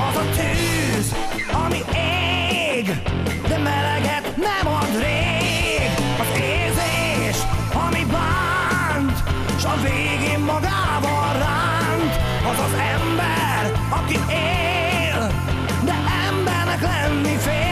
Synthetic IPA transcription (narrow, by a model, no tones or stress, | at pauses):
ɒzɒt̪yz | ɒmie | ɡ | d̪ɛmɛlɛɡɛt̪nɛmɒd̪reː | ɡ | ɒzeː | ze | ʃɒmiba | nt̪ | ʃɒveːɡeːmːɒɡaːbɒ | ra | nt̪ | ɒzɒzɛmbɛ | r | ɒki | eː | l | d̪ɛʔɛmbɛrnɛklɛnːifeː